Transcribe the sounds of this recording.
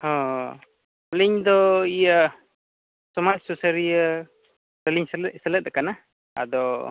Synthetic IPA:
hɔ̃ | liɲd̪ɔija | sɔmatsusəɾija | təliɲssələt̪̚d̪ɛkana | a̰d̪ɔ

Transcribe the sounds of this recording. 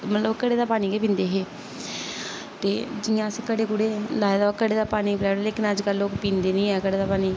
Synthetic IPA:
mət̪ləbkəɽeːd̪aːpaːniːkeːpĩːnd̪eːɦeː | t̪eːd͡ʒɪːãːskəɽeːkʊɽeːlaːed̪aːkəɽeːd̪aːpaːniːplɛːɽleknəd͡ʒkəlːoːkpĩːnd̪eːnĩːɛːkəɽeːd̪aːpaːniː

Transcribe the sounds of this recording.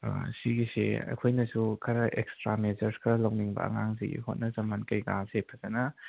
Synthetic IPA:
siɡisḛɐ̰kʰojnɐsukʰɐɾɐʔekstɾamezɐɾskʰɐlɐwniŋbɐ̰ɐ̰ŋaŋziɡḭhot̚nɐzɐmankɐjɡasepʰɐzɐnɐ

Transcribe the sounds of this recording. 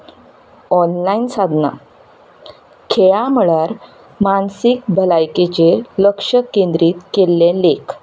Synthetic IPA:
ɔnlainsad̪ʱna̰ | kʰeɭam̤əɭaɾ | mansik̚bʱəlajket͡ɕeləkʂəkːend̪ɾiːt̪kelːẽlek

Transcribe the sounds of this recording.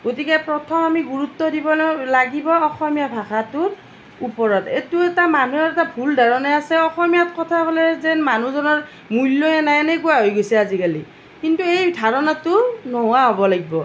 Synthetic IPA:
ɡ̥otikɛpɹɔtʰɔmamiɡuɹutːɔdibɔllaɡibɔɔxɔmijabʱaxatʊɹ | upɔɹɔtetuɛtamanuɛɹɛtabʱuldaɹɔnɛasɛɔxɔmijat̚kɔtʰabɔlɛzɛnmanuzɔnɔɹ | mulːoɛnajɛnɛkujaɦojɡojsɛazikali | kintuejdʱaɹɔnatʊnɔɦwaɦobɔlaɡibɔ

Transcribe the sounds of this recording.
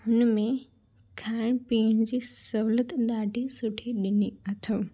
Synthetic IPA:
hʊnmẽ | kʰaːɪɽ̃piːɽ̃d͡ʑisɐɦʊlət̪ɗ̪aːʈisʊʈʰeɗɪniɐt̪ʰə̃

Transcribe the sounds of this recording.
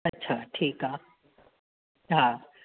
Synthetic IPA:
ɐtːt͡ʃʰaʈʰika | ɦã

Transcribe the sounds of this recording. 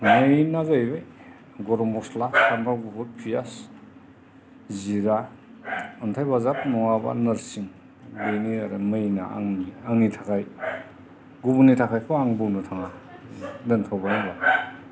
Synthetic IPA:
mɯjnazajɾɯj | ɡɔɾɔmɔslakʰanbawɡubʰuɾ̚pʰijas | ziɾa | untʰajbazap̚nɔŋaba̰nɐɾsiŋ | bejniaɾamɯjna̰a̰ŋiaŋitʰakʰaj | ɡubunitʰakʰajkʰɔaŋbɯwnɯtʰaŋa | dɯntʰawbanaba

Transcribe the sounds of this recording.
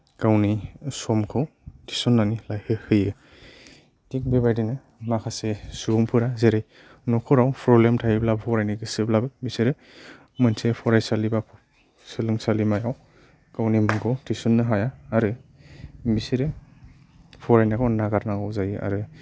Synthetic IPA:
kawnisɔmkʰɯw | tʰisɔnːanilajhɯhɯjɯ | dik̚bebajdinɯ | makʰasesuɡuŋpʰɯɾazeɾaj | nɔkʰɔɾawpʰɾɔblemtʰajiblabpʰɔɾajniɡɯsɯblabɯbisiɾɯ | mɯnsʰepʰɔɾajsaliba | sɯlɯŋsalimajaw | kawnimɯŋkʰɯwtʰisɔnːɯɦajaːɾɯ | bisiɾɯ | pʰɔɾajnakʰawnaɡaɾnaɡawzajɯa̰ɾɯ

